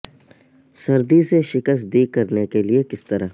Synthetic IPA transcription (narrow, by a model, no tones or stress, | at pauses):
sɐɾd̪iseʃɪkəst̪̚d̪iːkɐɾnekeliekɪst̪ɐɾaː